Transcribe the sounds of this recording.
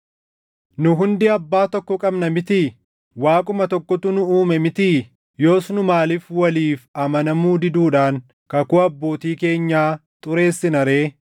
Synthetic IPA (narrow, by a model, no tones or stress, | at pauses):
nʊɦʊnd̪ɪɐbːaːt̪ɔkːɔkʼɐbnɐmɪt̪ɪ | waːkʼʊmɐt̪ɔkːɔt̪ʊnʊuːmɛmɪt̪i | jo̞ːsnʊmaːlɪfwɐliːfɐmɐnɐmuːd̪ɪd̪uːᶑaːŋ | kɐkʊɐbːo̞ːt̪iːke̞ːɲːaːt̪ʼʊɾe̞ːsːɪnɐɾe̞ː